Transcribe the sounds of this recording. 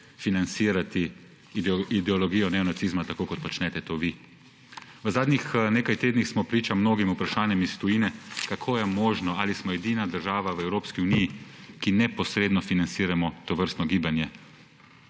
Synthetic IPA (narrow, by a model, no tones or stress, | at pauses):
finant̪siːɾat̪i | id̪ɛɔlɔɡiːjɔnɛɔnat̪sizmat̪akoːkɔt̪pɔt͡ʃnɛt̪ɛt̪oːʋi | ʋəzaːd̪nixneːkajt̪eːd̪nixsmɔpɾiːt͡ʃamnoːɡimupɾaʃaːnjɛmist̪ujiːnɛkakʰoːjɛmoːʒnɔalismɔɛd̪iːnad̪əɾʒaːʋaʋəɛwɾoːpskiunijikinɛpɔsɾeːd̪nɔfinant̪siːɾamɔt̪ɔʋəɾst̪nɔɡiːbanjɛ